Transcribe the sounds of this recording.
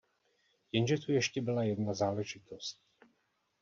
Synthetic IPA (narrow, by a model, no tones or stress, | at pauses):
jɛnʒɛt̪ujɛʃcɛbɪlajɛdnazaːlɛʒɪt̪ost